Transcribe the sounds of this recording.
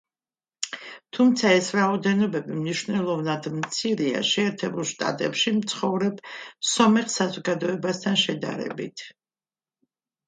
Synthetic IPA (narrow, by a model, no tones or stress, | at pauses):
t̪ʰumt̪sʰaɛsɾaɔd̪ɛnɔbɛbimniʃvnɛlˠɔvnad̪mt̪sʰiɾia̰ʃɛːɾt̪ʰɛbulˠʃt̪ʼa̰t̪ʼɛpʃimt̪sʰχɔvɾɛb̥sɔmɛχsazɔɡad̪ɔɛbast̪ʰanʃɛd̪a̰ɾɛ̰bit̪ʰ